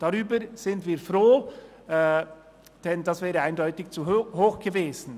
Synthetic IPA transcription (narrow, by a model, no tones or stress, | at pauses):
d̥aʁyːbəz̥ɪndviːfɾoː | d̥ɛnd̥asvɛːʁəaɪndɔʏtɪkt͡suhoːxɡ̥əveːz̥n̩